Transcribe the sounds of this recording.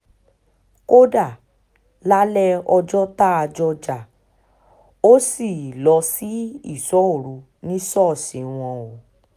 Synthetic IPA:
ko˦da˦˨ | la˦lɛ˦ɔ˧d͡ʒɔ˦ta˦a˧d͡ʒɔ˧d͡ʒa˨ | o˦si˦˨lɔ˧si˦ḭ˦˨sɔ˨˦o˦˨ɾu˨˦ | nĩ˦sɔ˦˨sĩ˨˦w̃ɔ̃˧o˨

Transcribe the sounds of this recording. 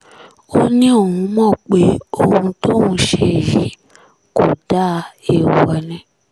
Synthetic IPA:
o˦nĩ˦o˦˨hũ˧˦mɔ̃˦˨k͡pe˨˦o˧hũ˧to˦mũ˧˦ʃe˧˨ji˨˦ | ko˨d̥a˦˧e˨wɔ˨nĩ˧

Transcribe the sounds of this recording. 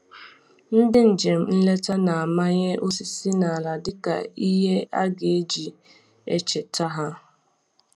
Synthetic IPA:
n̩˦dɪ˦n̩˨d͡ʒe˨m̩˨n̩˦le˦ta˦na˨a˨ma˦ɲe˦ʔo˦si˨si˦na˨a˨la˨dɪ˦ka̰˨i˦ɦe˦a̰˦ɡe˨e˦d͡ʒi˨ | ḛ˦t͡ʃe˨ta˦ɦa˦

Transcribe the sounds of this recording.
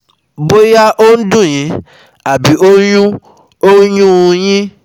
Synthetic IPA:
bo˦ja˦ʔo˦n̩˦dũ˦˨j̃ĩ˨˦ | a˨bi˨˦o˦jũ˦ | o˦jũ˦ũ˧j̃ĩ˦

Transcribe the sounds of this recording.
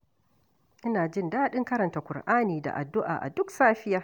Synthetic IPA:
ʔɪ˦naː˨d͡ʒɪ˦ndaː˦ɗɪ˦ŋkɐ˦ɾɐ˨nta˨kʷʊ˨rʔaː˦niː˨da̰˨ʔa̰˨dːʊ˦ʔa̰ː˨ʔa̰˨dʊ˦ksaː˦ɸɪ˦jaː˦

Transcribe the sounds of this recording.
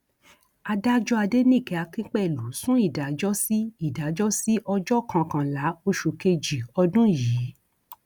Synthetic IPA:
a˧da˦d͡ʒɔ˦a˧de˦nĩ˦˨kɛ˧a˧kĩ˦k͡pɛ˦˨lu˨˦sũ˦i˦˨da˨˦d͡ʒɔ˦si˦i˦˨da˨˦d͡ʒɔ˦si˦ʔɔ˧d͡ʒɔ˦˨kʰã˧kã˧la˨˦o˧ʃu˨ke˧d͡ʒi˨ɔ˧dũ˦jiː˨˦

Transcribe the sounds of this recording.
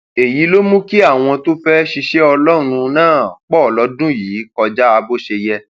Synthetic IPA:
e˨ji˨˦lo˦mũ˦ki˦a˦˨w̃ɔ̃˧to˦fɛ˦ʃi˧ʃe˦ɔ˧lɔ˦ɾ̃ũ˧nãː˦˨k͡pɔ˦˨lɔ˨˦dũ˦jiː˨˦kɔ˧d͡ʒa˦a˧bo˦ʃe˧jɛ˧

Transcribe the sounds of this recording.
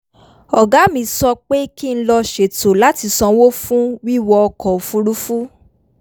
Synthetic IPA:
ɔ˨ɡa˨˦mĩ˧sɔ˧k͡pe˦ki˦˨n̩˦lɔ˧ʃe˨to˨la˨˦ti˧sɔ̃˧wo˦fũ˦wi˦wɔ˧ɔ˧kɔ˨o˨fu˧˦ɾu˦fu˦

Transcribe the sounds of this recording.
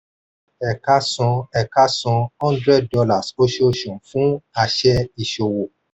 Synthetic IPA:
ɛ˨ka˧˦sɔ̃˧ɛ˨ka˦sɔ̃˧hɔ̃˦n˦dɾɛ˦˨d̚dɔ˧la˦˨so˦ʃe˦o˦˨ʃɔ̃˨fũ˦a˧ʃɛ˧i˨ʃo˨wo˨

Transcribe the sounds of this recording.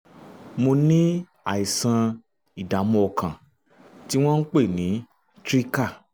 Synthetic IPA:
mo˧nĩ˦ | a̰˦˨i˨sã˧ | i˨da˨˦mɔ̃˧ɔ˧kã˨ | ti˦w̃ɔ̃˦n̩˦k͡pe˦˨nĩ˨˦ | tɾi˦ka˦˨

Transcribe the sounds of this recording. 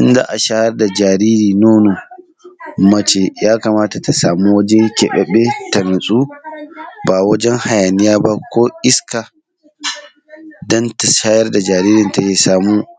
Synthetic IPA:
ʔɪ˦nza̰ː˦ʔa˨ʃaː˦jɐ˦rda˨d͡ʒaː˨ɾiː˦ɾiː˨noː˦no˨ | mɐ˦t͡ʃe˨jaː˦kaː˨maː˦ta˨ta˨saː˨mu˦wɐ˦d͡ʒe˦kʲɛ˨ɓɛ˨ɓe˦tɐ˨nʊ˨sʼuː˦ | ba˨wɐ˦d͡ʒɛ˦ŋha˨ja˨nɪ˦jaː˦ba˦kʷoː˦ʔɪ˦ska˨ | dɔ˦nta˨ʃaː˦jɐ˦rda˨d͡ʒaː˨ɾiː˦ɾɪ˨nta˨jeː˨saː˨muː˦

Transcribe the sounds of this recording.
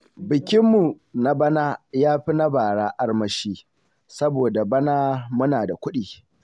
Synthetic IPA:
bɪ˨kʲɪ˦mːu˨ | na˦bɐ˦naː˦jaː˦ɸi˦na˦baː˨ɽaː˦ʔa˦rmɐ˦ʃiː˦ | sɐ˦boː˨da˨bɐ˦naː˦mʊ˦naː˨da˨kʷʊ˦ɗiː˨

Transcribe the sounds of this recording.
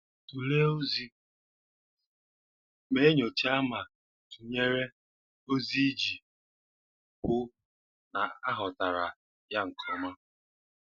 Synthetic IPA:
tu˨le˦o˦zi˦ | me˦ɲo˨t͡ʃi˦a˦ma˨ | tu˨ɲe˦ɾe˦ | o˦zi˦d͡ʒi˨ | pʊ˦ | na˨a˦ɦɔ˨ta˨ɾa˨ | ja˦ŋ̩˨kʰɔ˨ma˦

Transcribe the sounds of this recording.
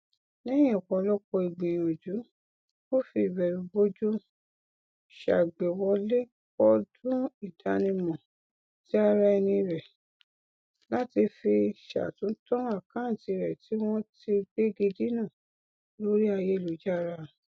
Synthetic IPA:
nɛ̃˦jĩ˦ɔ˨kɔ̃˧lɔ˦kɔ˧i˨ɡ͡bĩ˨j̃o˨d͡ʒu˨˦ | o˦fi˦˨bɛ˨ɾu˨bo˦d͡ʒu˦ | ʃa̰˨ɡ͡be˨wɔ˧le˦ | k͡pɔ˦dũ˦i˦˨da˧˦nĩ˧mɔ̃˨ | ti˨˦a˦˧ɾa˧ɛ˧nĩ˧ɾɛ˨ | la˦ti˧fi˧ʃa̰˨tũ˨˦tɔ̃˦a˦˨kã˦n̩˨ti˧ɾɛ˨ti˨˦w̃ɔ̃˦ti˧be˦ɡe˧di˦nã˦˨ | lo˨˦ɾi˦a˧je˦˨lu˨˦d͡ʒa˦˨ɾa˧

